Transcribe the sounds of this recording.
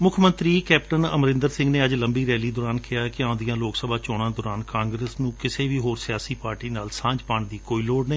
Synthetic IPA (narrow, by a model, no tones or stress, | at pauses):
mʊkʰmə̃nt̪ɾiːkɛːpʈənə̰mɾɪ̃nd̪əɾsɪ̃ŋɡneːəd͡ʒləmbiːɾɛːliːd̪oːɾaːnkʰɪjaːkɪãːd̪ijãːloːksəbʱaːt͡ʃɔːɽãːd̪ɔːɾaːnkãːŋɡɾeːsnũːkɪseːʋiːɦoːɾsɪjaːsiːpaːɾʈiːnaːlsãːɲd͡ʒpãːɳd̪iːkoːiːloːɽneː